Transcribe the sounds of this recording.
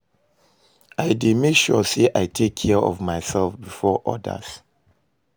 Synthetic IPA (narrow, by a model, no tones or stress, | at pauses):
ʔaɪdemeʃɔseʔaɪtʰekʰːiəɔ̰vmaɪsɛlfbifɔʔɔ̰də̰s